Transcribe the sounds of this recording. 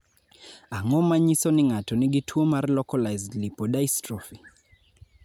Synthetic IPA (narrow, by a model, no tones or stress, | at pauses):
aŋɔmaɲisɔniŋatɔniɡitʰuɔmaɾlɔkɔlajzdlipɔɗaistɾɔfi